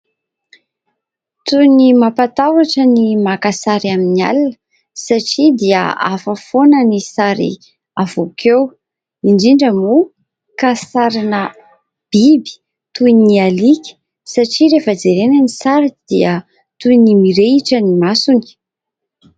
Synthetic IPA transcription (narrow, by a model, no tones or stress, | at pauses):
t̪unimapat̪awaʈ͡ʂənimakasaɾiaminia̰linə̥ | saʈ͡ʂid̪iə̰a̰fəfonənisaɾḭ | avokʰew | iɳɖ͡ʐiɳɖ͡ʐəmu | kasaɾinə | b̥ibi̥ | t̪uinialikʲə̥ | saʈ͡ʂiɾefad͡zeɾenənisaɾid̪̥iə | t̪unimiɾeiʈ͡ʂənimasuni̥